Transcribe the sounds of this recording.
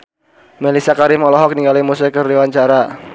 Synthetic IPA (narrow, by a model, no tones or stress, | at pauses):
melisakaɾimɔlɔɦɔk̚niŋɡalimusɛkərdiwaɲt͡ʃaɾa